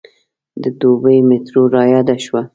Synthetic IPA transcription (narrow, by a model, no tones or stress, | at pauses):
d̪əd̪obəjmɪt̪ɾoɾɑjɑd̪aʃwa